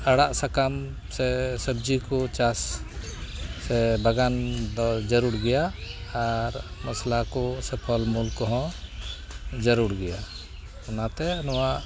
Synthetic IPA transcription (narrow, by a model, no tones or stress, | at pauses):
əɽaʔsakam | sɛsəb̚d͡ʒikɔt͡ʃas | ɛbəɡand̪ɔd͡ʒəɾuɽɡɛjaː | ɾməslakɔsɛpʰɔlmulkɔɦɔ̃ | d͡ʒəɾuɽɡɛja | ɔnat̪ɛnɔwaʔ